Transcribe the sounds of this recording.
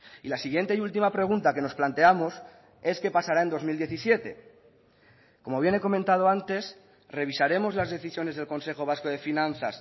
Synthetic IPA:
ilasiɣje̞nt̪e̞iult̪imapɾe̞ɣ̞unt̪ake̞no̞splant̪eamo̞s | e̞ske̞pasaɾae̞nd̪o̞zmild̪je̞θisje̞t̪e̞ | ko̞mo̞βje̞ne̞ko̞mẽnt̪að̞o̞ant̪e̞s | re̞βisaɾe̞mo̞zlazðe̞θisjo̞ne̞zð̞e̞lko̞nse̞xo̞β̞asko̞ð̞e̞finãnθa̰s

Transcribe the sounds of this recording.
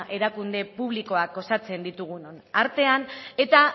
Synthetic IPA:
ʔe̞ɾakund̪e̞puβ̞liko̞ak̚ɡo̞sat͡se̞nd̪it̪uɣ̞unonaɾt̪e̞ane̞t̪a

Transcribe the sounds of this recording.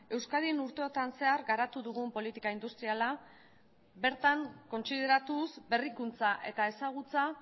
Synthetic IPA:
e̞wskaðinuɾt̪e̞o̞t̪anse̞aɾɡaɾat̪uðuɣ̞umpo̞lit̪ikaind̪ust̪ɾiala | be̞ɾt̪aŋko̞nsið̞e̞ɾat̪usbe̞rikunt͡saʔe̞t̪ae̞saɣ̞ut͡sa

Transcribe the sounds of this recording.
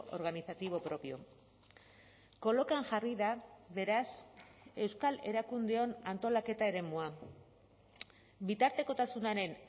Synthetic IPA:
ʔoɾɣ̞aniθat̪iβ̞o̞pɾo̞pio̞̰ | ko̞lo̞kaŋʝariðaβe̞ɾase̞wskale̞̰ɾakund̪e̞o̞nant̪o̞lake̞t̪aeɾe̞mua | bit̪aɾt̪e̞ko̞t̪asunaɾe̞n

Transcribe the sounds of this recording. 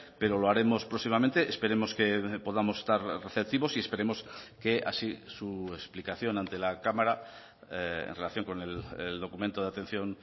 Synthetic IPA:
pe̞ɾo̞loaɾe̞mo̞spɾosimamẽnt̪eʔːspe̞ɾe̞mo̞skepoðamo̞se̥st̪aɾreθep̚t̪iβo̞sie̞spe̞ɾe̞mo̞skea̰sisuesplikaθjo̞nãnt̪e̞lakamaɾa | eḛnrelaθjo̞ŋko̞neleld̪o̞kumẽnt̪oðeat̪e̞n̟θjo̞n

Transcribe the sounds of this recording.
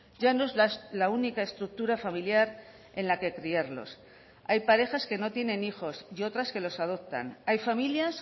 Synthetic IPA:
ɟ͡ʝanoe̞zlalaunikaest̪ɾuk̚t̪uɾafamiljaɾ | e̞nlake̞kɾiaɾlo̞̰s | ajpaɾe̞xaske̞no̞t̪je̞nẽ̞nixo̞sio̞t̪ɾaske̞lo̞sað̞o̞p̚t̪a̰najfamiljas

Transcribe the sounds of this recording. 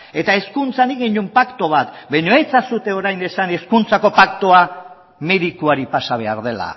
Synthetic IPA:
e̞t̪ae̞skunt͡saniɣiɲumpakt̪o̞β̞at̪bajɲo̞et͡sasut̪e̞o̞ɾajne̞sane̞skunt͡sako̞pakt̪oa | me̞ðikuaɾipasaβ̞e̞aɾðe̞la̰

